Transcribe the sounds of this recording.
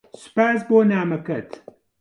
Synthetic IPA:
sʊ̥paːsboːnaːmɐkɐt̪

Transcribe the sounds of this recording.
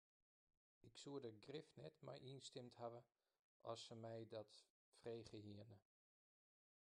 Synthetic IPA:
ɪksuədəɡrɪfnɛtmɛ̰jʔinstɪmthavə | ʔɔ̰sːəmɛjdɔt | freːχəhiənə

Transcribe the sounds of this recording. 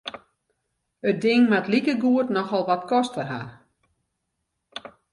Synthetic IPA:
ət̚dɪŋʋatlikəɡuətnɔxɔlˠʋatkʰɔstfərɦa̰r

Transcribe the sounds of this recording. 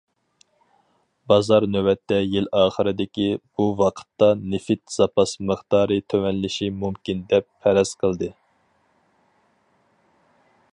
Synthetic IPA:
bɑzɑɾnøwɛt̪ːɛjilɑːχəɾɨd̪ɪkʲib̥uwɑqʰə̥t̪ːɑnɪfɪt̪z̥ɑpɑsməχt̪ɑːɾɨt̪ʰøwɛnlɪʃimumkʲind̪ɛpʰːɛɾɛz̥qʰəlˠd̪ɨ

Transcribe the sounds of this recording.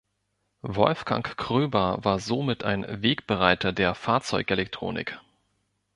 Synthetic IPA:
vɔ̰lfɡ̥a̰ŋkʁ̥øːbɐvaːɐzomɪtʰa̰ɪnveːkb̥əʁaɪtɐdeːɐfaːɐt͡sɔʏkʔelɛk̚tʁ̥o̰ːnɪ̰k

